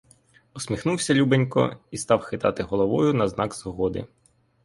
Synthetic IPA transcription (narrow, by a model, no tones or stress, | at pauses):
ɔsʲmʲixnuwsʲɐlʲubenʲkɔ̰ist̪ɑwxɪt̪ɑ̰t̪ɪɦɔlˠɔʋɔjʊnɐznɑɡz̥ɔɦɔd̪ɪ̰